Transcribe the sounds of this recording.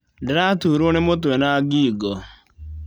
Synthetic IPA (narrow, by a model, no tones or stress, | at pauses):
dɾatuːɾonemot̬wɛnaɡiɡɔ